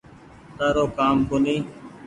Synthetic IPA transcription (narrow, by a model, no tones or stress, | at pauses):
t̪aːɾoːkaːmkoniː